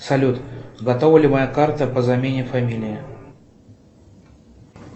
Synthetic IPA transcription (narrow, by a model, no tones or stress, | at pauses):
sɐlʲut̪ɡɐt̪ovəlʲɪmɐjakart̪əpəzɐmʲenʲɪfɐmʲilʲɪjɪ